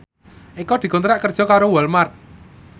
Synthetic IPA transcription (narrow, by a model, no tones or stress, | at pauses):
ʔikɔd̪̥i̤kunt̪ɾaʔkərd̥ʒ̥ɔ̤kaɾowɔlmart̪̚